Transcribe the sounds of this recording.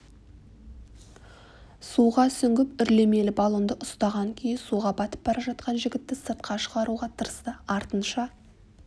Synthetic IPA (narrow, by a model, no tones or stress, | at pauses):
suʁɑsʏŋɡʲɪpʏɾle̞me̞lɪbɑlˠo̞nd̪əʔʊst̪ɑʁɑŋkʲʰejɪnsuʁɑbɑt̪ə̥p̚bɑɾɑʒɑt̪̚qɑnʒɪɡʲɪt̪ːɪsəɾt̪̚qɑʃəʁɑɾuʁɑt̪ʰəɾəst̪əɑɾt̪ənʃɑ